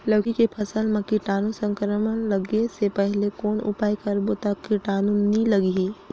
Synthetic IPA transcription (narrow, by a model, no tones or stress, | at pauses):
ləʋkikepʰəsəlmãkiʈaːnũsə̃ŋkɾəmənləɡesepɛɦlekoːnʊ̰paːikɐɾbot̪əkiʈaːnunĩləɡiɦi